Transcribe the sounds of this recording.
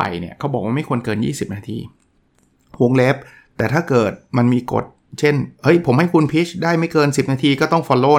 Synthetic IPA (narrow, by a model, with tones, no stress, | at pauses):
a̰˨˩jnḭ˥˩ɐkʰa˦˥wbɔ˨˩k̚waː˥˩ma˥˩jku˧ənkɤː˧njḭː˥˩si˨˩p̚naː˧t̪ʰḭː˧ | hu˧˥ŋle˦˥p̚ | t̪ɛː˨˩aː˥˩kɤː˨˩t̪̚ma˧nmiː˧ko̰˨˩t̪̚t͡ɕʰe˥˩nhɤ˦˥jpʰo˩˦mha˥˩jkʰu˧npʰi˦˥t͡ɕ̚daː˥˩jma˥˩jkɤː˧nsi˨˩p̚naː˧t̪ʰiː˧kɔː˥˩t̪ɔ˥˩ŋfɔː˧loː˧˩